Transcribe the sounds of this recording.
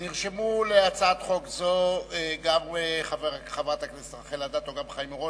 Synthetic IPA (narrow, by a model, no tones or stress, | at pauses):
niʁʃemuleat͡sat̪χokzoeɡameχaveʁaχavat̪aknesχaχelad̪at̪oɡamχajimoʁo